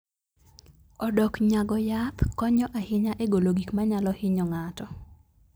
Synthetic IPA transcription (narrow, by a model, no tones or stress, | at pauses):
ɔdɔkɲaɡɔjat̪kɔɲɔʔahɪɲaʔeɡoloɡikmaɲalɔhɪɲɔŋatɔ